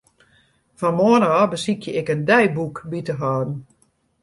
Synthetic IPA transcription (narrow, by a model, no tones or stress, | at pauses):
fɔnmoənəɔbəsikjəɪkəndɛjbukbitəɦɔːdn̩